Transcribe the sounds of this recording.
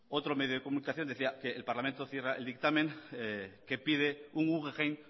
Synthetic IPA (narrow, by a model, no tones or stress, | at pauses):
ot̪ɾome̞ðjoðe̞ko̞munikaθjo̞nd̪eθiakeːlpaɾlament̪oθjeraʔeld̪ik̚t̪amẽŋeke̞piðeuŋuɣeʁejn